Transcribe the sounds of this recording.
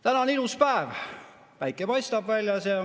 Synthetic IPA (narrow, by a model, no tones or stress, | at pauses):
t̪ænɑniluspæev | pæjkːˑepɑjst̪ɑbvælʲjɑse